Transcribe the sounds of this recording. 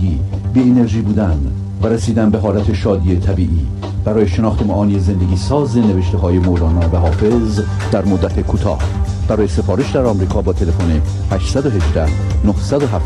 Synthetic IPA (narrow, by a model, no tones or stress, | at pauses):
iːbiːene̞ɾʒiːbuːd̪ænd̪ | væɾesiːd̪ænbe̞ɦɒːlæt̪ʰe̞ʃɒːd̪iːet̪ʰæbiːʔiː | b̥æɾɒːjeʃe̞nɒːxt̪emɒʔɒːnieze̞nd̪eɡiːsɒːze̞ne̞veʃt̪e̞ɦɒːje̞molɒːnɒːvæɦɒːfe̞z | d̪̥æɾmod̪ːæt̪ʰe̞kʰuːt̪ʰɒ̰ːh | b̥æɾɒːje̞se̞fɒːɾeʃd̪æɾɒːmɾiːkʰɒːbɒːt̪ʰe̞le̞fone | hæʃt̪sæd̪oɦe̞d͡ʒd̪æh | nohsæd̪oɦæf